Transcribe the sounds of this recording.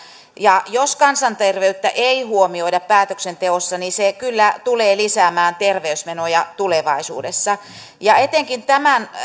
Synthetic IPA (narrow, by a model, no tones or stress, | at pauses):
jɑjoskɑnsɑnt̪erʋeyt̪ːæʔeihuomioidɑppæːt̪øksent̪eosːɑnisekylːæt̪uleːlisæːmæːnt̪erʋeysmenojɑt̪uleʋɑisṵːdesːɑ | jɑet̪eŋkint̪æmæn